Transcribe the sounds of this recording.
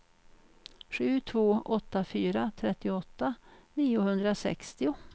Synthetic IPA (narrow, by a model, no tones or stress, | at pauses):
ɧʉ̟ːt̪ʰvoːʔɔt̪ːafyːɾat̪ʰɾɛt̪ːɪɔt̪ːaniːʊhɵnd̪ɾasɛ̰kst̪ɪʊ